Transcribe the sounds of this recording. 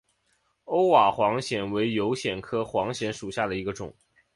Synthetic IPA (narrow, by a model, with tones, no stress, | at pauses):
o˥ʊwa˨˩xwɑ˧˥ŋɕjɛ˨˩nwe˧˥ɪjo˧˥ʊɕjɛ˨˩nkʰɤ˥xwɑ˧˥ŋɕjɛ˧˥nʂu˨˩ɕja˥˩d̪ə˩i˧˥ɡə˧ʈ͡ʂʊ̰˨˩˦ŋ